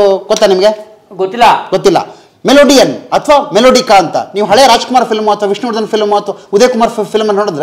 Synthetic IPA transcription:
ɡot̪ːanimɐɡe | ɡot̪ːilːɐɡot̪ːilːɐ̰ | meloːɖijɐnːɐt̪ʰɐʋaːmeloːɖikaɐnt̪ɐ̰niːʋuɦɐɭejɐɾaːd͡ʒkumaːɾɐpʰilmuɐt̪ʰʋaʋiʂnuːɽd̪ɐnɐpʰilmuɐt̪ʰʋaud̪eːkumaːɾɐpʰilmɐnːnoːɽid̪ɾe

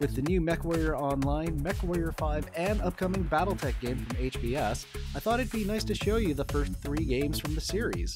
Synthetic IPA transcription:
wɨðɨnjʉmɛkwɔɪə˞ɑ̃nlãɪ̃nmɛkwɔɪə˞faɪvɨ̃nʌp̚kʰʌmɪ̃ŋbæɾl̩ˠtʰɛk̚ɡ̥ẽɪ̃ɱfɹʌ̃meɪt͡ʃb̥iɛsaɪθɔɾɨt̚b̥inaɪstʰɨʃoʊjɨðəfɜ˞sθɹiɡẽɪ̃mz̥fɹʌ̃mðɨsɪɹḭz̥

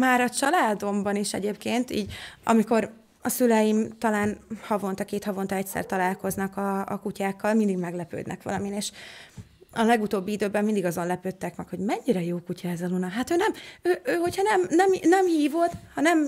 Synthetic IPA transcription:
maːɾɒt͡ʃɒlaːd̪o̞mbɒniʃɛ̰ɟeːpkeːnt̪ḭːɟɒ̰miko̞ɾ | ɒsylɛjimt̪ɒlaːnhɒvo̞nt̪ɒkeːt̪hɒvo̞nt̪ɒɛcʲsɛ̰rt̪ɒlaːlko̞znɒkɒ̰ːkucaːkːɒlmind̪iɡmɛɡlɛpø̰ːd̪nɛ̰kʋɒ̰lɒmineːʃ | ɒlɛɡut̪oːbːiid̪øːbɛmmind̪iɡɒzo̞nlɛpøːt̪ːɛkmɛkho̞ɟmɛɲːiɾɛjoːkucɒɛzɒlunɒɦaːt̪øːnɛmøːøːɦo̞cʰhɒnɛmnɛmnɛmhiːvo̞d̪hɒnɛm

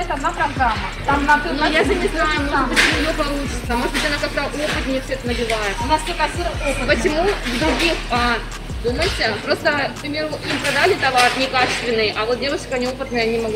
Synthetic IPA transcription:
ɛt̪ɐd̪napɾɐɡɾamːət̪aanojaʐɨnʲɪznajʊnpət͡ɕɪmujopɐlˠut͡ɕɪt̪səmoʂt̪vʲitʲɐnakak̚t̪əʔo̞pɨt̪mʲnʲefsʲoɛt̪ənəbʲɪvajɪt̪nast̪okɐsʲuoppət͡ɕɪmuvd̪ɾʊɡʲixa | d̪uməjɪtʲɪpɾo̞st̪ək̚pɾʲɪmʲe̞ɾʊimpɾɐd̪alʲɪt̪ɐvarnʲɪkat͡ɕɪ̥st̪vʲɪnːɨjʔɐvo̞t̪̚dʲevʊʂkəɐnʲio̞pɨt̪nɨjɐnʲɪmɐɡ

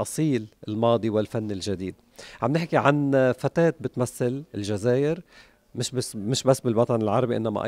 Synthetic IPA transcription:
ʔɑsˤiːlɪlmɑːd̪ˤiwɪlfanːɪlʒad̪iːd̪ | ʕamnɪħkiʕanfat̪eːt̪̚bɪt̪maθːalɪlʒazeːʔɪɾ | mɪʃmɪʃbasːbɪlwɑt̪ˤɑnɪlʕɑɾˤɑbiʔɪ̰nːama̰ʔ

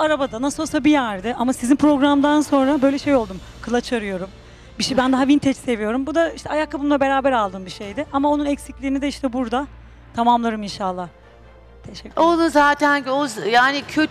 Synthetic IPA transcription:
aɾabad̪anasɯlˠsabijæɾd̪ɪʔamasizinpɾo̞ɡɾamd̪anso̞nɾabø̞jlʲɛʃe̞jo̞lˠd̪um | kʰɯlˠat͡ʃʰaɾɯjo̞ɾum | biʃbænd̪aɦavint̪ʰɛt͡ʃse̞vijo̞ɾumbud̪aiʃt̪ʰɛajakʰːabunulˠabe̞ɾaːbɛɾalˠd̪ɯmbiʃe̞jd̪ɪʔamao̞nunɛcsiclʲiɾinid̪ɛiʃt̪ʰɛbuɾd̪a | t̪ʰamamlˠaɾɯminʃalˠːah | t̪ʰɛʃɛounzaːt̪ʰænozjaːnɪcʰøt̪

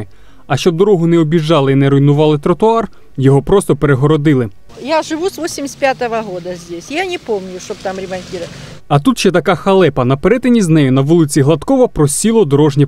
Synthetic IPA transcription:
ɪ | ɐʃt͡ʃɔb̚d̪ɔɾɔɦʊnɛɔbʲiʒːɑlˠɪinɛɾʊjnʊʋɑlˠɪt̪ɾɐt̪ʊɑr | jɔɦɔpɾɔst̪ɔpeɾeɦɔɾɔd̪ɪlˠɪ | jaʐɪʋusʋosʲɪmʲɪsʲt̪̚ʲpʲjat̪ɐʋɐɦod̪ɐzʲdʲesʲjanʲɪpomnʲʊʃt͡ʃɔb̚t̪amɾʲɪmɐnʲtʲiɾ | ɐt̪ut̪ʃɛt̪ɐkɑxɐlˠɛpɐnɐpeɾɛt̪enʲiznɛjʊnɐʋɔlˠɪt͡sʲiɦlˠɐt̪kɔʋɔpɾɔsʲilˠɔd̪ɔɾɔʒnʲɛ

